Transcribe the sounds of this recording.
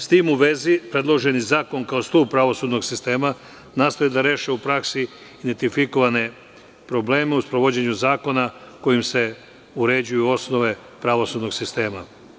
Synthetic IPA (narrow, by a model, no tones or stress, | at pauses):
st̪iːmuʋe̞zipɾe̞d̪lˠo̞ʒe̞nizaːko̞nkao̞st̪uːb̚pɾaʋo̞suːd̪no̞ɡsist̪e̞ːma | naːst̪o̞jed̪aɾe̞ːʃeupɾaksi | id̪ent̪ifiko̞ʋane̞ | pɾo̞ble̞ːmeuspɾo̞ʋo̞d͡ʑe̞ɲuzaːko̞nako̞jimse̞ | uɾe̞d͡ʑujuo̞sno̞ʋe̞ | pɾaʋo̞sud̪no̞ɡsist̪e̞ːma̰